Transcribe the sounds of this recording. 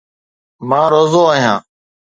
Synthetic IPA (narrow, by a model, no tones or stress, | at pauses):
mãːɾoːzoːəːɦjãː